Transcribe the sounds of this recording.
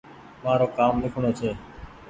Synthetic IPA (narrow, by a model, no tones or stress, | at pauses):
maːɾoːkaːmlɪkʰɳoːt͡ʃʰeː